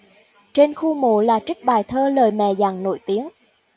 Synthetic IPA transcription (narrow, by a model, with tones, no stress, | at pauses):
t͡ɕe˧nxu˧mo̰˧˩laː˨˩t͡ɕï˦˥k̟̚ɓaː˨˩jt̪ʰəː˧ləː˨˩jmɛ̰˧˨za˨˩ŋno̰˧˩jt̪i˨˦ən